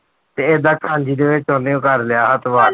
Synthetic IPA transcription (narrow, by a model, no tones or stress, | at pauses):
t̪eːeːd̪aːkʰãːɲd͡ʒiːd̪eːʋɪt͡ʃɔ̃ːneõkəɾlɪjaːɦət̪ʋaː